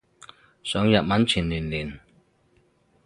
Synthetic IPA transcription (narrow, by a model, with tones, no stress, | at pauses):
sœː˨˥ŋjɐ˨t̚mɐ˨˥nt͡sʰyː˨˩nlyː˨˩nlyː˨˩n